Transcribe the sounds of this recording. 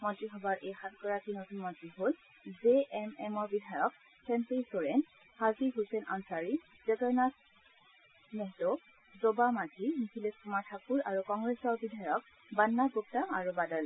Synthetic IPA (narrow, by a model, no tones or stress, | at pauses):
mɔtɹixɔbaɹʔejxat̚ɡɔɹakinotunmɔtɹiɦol | zeʔɛmɛmɔɹbidʱajɔk | sʰɛmpesoɹɛn | haziɦusɛna̰nsaɹi | zɛkaɹnas | nɛɦtɔ | zobamatʰinisileskumaɹtʰakuɹaɹukɔŋɡɹesɔɹbidʱajɔk̚ | banːaɡup̚tama̰ɹubadɔl